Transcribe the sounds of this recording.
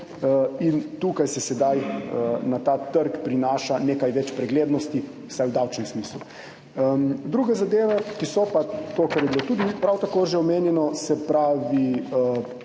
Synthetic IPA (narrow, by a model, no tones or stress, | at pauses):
əint̪ukajsɛsɛd̪ajənat̪at̪əɾkpɾinaːʃaneːkajʋɛt͡ʃpɾɛɡleːd̪nɔst̪i | wsajwd̪awt͡ʃnɛmsmiːslu | əd̪ɾuːɡɛzad̪eːʋɛkisɔpat̪okaɾjɛbilot̪uːd̪ipɾawt̪akoːʒeɔmeːnjɛnɔsɛpɾaːʋiə